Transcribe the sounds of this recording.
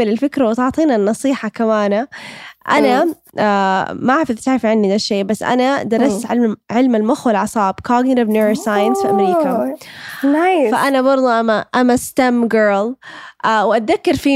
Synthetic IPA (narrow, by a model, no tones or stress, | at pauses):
ɪlɪlfɪkɾawɪt̪ʊʕt̪ˤiːnanːɑsˤiːħɑkamaːnaʔa̰na | amaʕafɪðˤt̪aʕɾɪfʕɪnːid̪aʃːeːbasːʔa̰nad̪ɑɾˤːɑst̪ʕɪlʕɪlmalmʊxwalʕɑsˤɑːbkɑːɡɾabnuːɾsaːjansfiʔamɾiːka | faʔanabɑɾˤd̪ˤuʔamaʔamast̪amɡɜːlʔawʔat̪̚ðakːɑɾˤfiː